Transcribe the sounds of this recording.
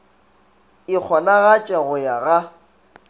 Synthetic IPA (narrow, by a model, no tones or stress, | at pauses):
ɪk͡xʰɔnaɣat͡ʃʼaɣʊjaɣa